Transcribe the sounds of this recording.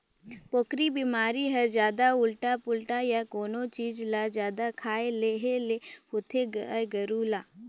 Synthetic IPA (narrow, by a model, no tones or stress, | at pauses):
poːkɾibimaːɾiɦɐd͡ʒjaːd̪aʊlʈapʊlʈajakoːnot͡ʃiːd͡ʒlad͡ʒjaːd̪akʰaːeleːɦelehʊt̪ʰeɡɡɐɾulaː